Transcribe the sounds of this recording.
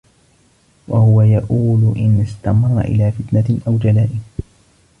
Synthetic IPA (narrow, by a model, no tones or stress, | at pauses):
wahʊwajaʔuːlʔɪnɪst̪amɑrˤːa̰ʔɪ̰laːfɪt̪naʔawd͡ʒalaːʔɪm